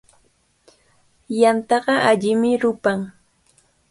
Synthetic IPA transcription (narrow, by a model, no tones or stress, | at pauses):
jant̪ɑɢɑʔaʎɪmɪɾʊpaŋ